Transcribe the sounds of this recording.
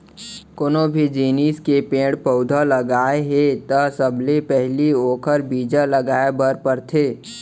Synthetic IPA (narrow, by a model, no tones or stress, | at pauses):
konobʱid͡ʒiːniːskepẽːɽpəʊd̪ʱaləɡaːeɦet̪ɐsəbʱlepɛɦlioːkʰəɾbiːd͡ʒaləɡaːebəɾpəɾt̪ʰeː